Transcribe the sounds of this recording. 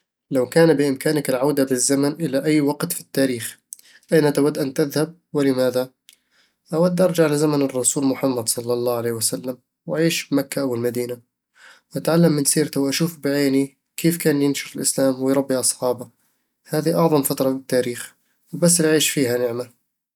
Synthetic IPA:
lawkaːnbɪʔɪmkaːnakɪlʕawd̪abɪzːamanʔɪlaʔajːwɑɡt̪fi̥t̪ːaːɾiːx | ʔajnat̪awad̪ːʔant̪ɪðhab̚wɪlɪmaːða | ʔawad̪ːʔɑɾˤd͡ʒaʕlɪzamanɨrˤːɑsuːlmʊħamːad̪sˤɑlːɑlˤːɑːʕaleːhwasalːam | wʔaʕiːʃbmakːaʔawɪlmad̪iːna | wʔat̪ʕalːamːɪnsiːɾt̪awʔaʃuːfbɪʕeːni | kʰeːfkaːnjɪnʃʊɾɪlʔɪslaːmwɪjɾˤɑbːiʔɑsˤħɑːba | haːðiʔɑʕðˤɑmfat̪ɾˤɑfɪt̪ːaːɾiːx | wbas̬ːlʔʕiːʃfiːɦanɪʕma

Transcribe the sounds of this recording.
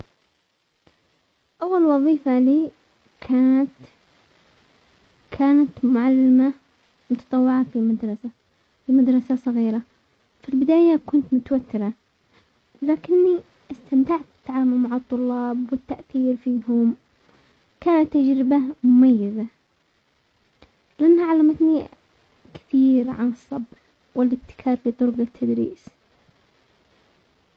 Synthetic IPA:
ʔawːalwɑðˤiːfaliː | kʰaːnat̪ | kʰaːnat̪mʊʕalːama | mʊt̪ɑt̪ˤɑwːɪʕafimad̪ɾˤɑsa | fimad̪ɾˤɑsasˤɑɣiːɾa | filbɪd̪aːjakʊnt̪mʊt̪awat̪ːɪɾa | laːkɪnːi | ʔast̪amt̪aʕt̪̚bɪ̥t̪ːaʕaːmʊlmaʕɨt̪ˤːʊlːɑːbwɪt̪ːaʔθiːɾfiːhʊm | kaːnat̪ːad͡ʒɾɪbamʊmajːaza | lɪʔanːhaʕalːaːmat̪ni | kɪ̥θiːɾʕa̰nɨsˤːɑb | wɪlɪb̚t̪ːɪ̥kʰɑːɾlit̪ˤʊɾɡat̪ʰːad̪ɾḭːs

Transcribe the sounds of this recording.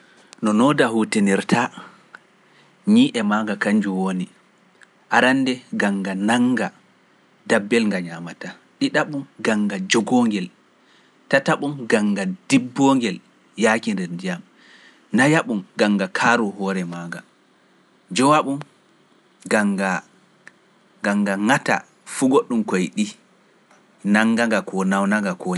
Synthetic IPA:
nɔnɔdahuteniɾtʰa | ɲiːʔɛmaːŋɡakaɲd͡ʒuwoni | ʔaɾandɛɡaŋɡanaŋɡa | dabːɛlŋɡaɲamata | ɗiɗaɓunɡaŋɡad͡ʒɔɡɔŋɡɛl | tataɓunɡaŋɡad̥ibːɔŋɡɛl | jaːkindɛɾndijam | najaɓumɡaŋɡakʰaɾuɦɔːɾɛmaɡa | d͡ʒɔwaɓum | ɡaŋɡa | ɡaŋɡaŋata̰ | fuɡoɗːumkɔjɗi | naŋɡaŋɡakɔnawnaŋɡakɔ

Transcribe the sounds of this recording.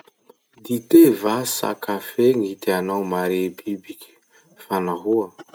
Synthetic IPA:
d̪it̪evasa̰kafeŋit̪anawmaɾebibikʲ | fanaɦua

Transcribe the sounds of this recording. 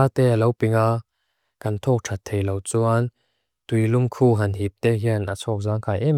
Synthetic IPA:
at̪ɛːalowpiŋa | kɐnt̪ʰɔːk̚ʈ͡ʂʰat̪ʰːejlowt͡suʔan | t̪ujlʊmkʰuːɦɐnɦip̚t̪ɛɦiənʔat͡sʰɔːk̚zaːŋkʰajʔɛ

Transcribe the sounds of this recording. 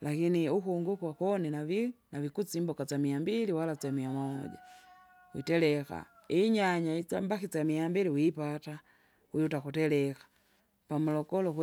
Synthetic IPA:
lakiniukuŋɡukwakɔninavinavikut͡simbɔkat͡samiambiliwalat͡samiamɔɔ̰d͡ʒa̰ | wḭtɛlɛka̰ | iɲaɲait͡sambakit͡samiambiliwipata | wijutakutɛlɛkḁ | pamulɔkɔlɔk

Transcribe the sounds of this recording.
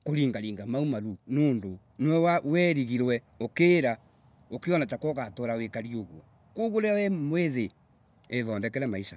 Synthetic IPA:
koɾiːŋɡaɾiːŋɡamaumaɾunoːndo | nwɛwawɛɾiɣiɾwɛ | okeːɾa | okeɔnatakɔɣatoɾawekaɾioɣwa̰ | koɣoɾeawɛmweðe | eðɔndɛkɛɾɛmaisa̰

